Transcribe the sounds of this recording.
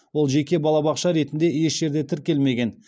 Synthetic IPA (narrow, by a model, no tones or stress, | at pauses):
wo̞lˠʒe̞kʲe̞bɑlˠɑbɑqʃɑɾe̞t̪ɪnd̪e̞je̞ʃʒ̥e̞ɾd̪et̪ʰɪɾkʲe̞lme̞ɡʲe̞n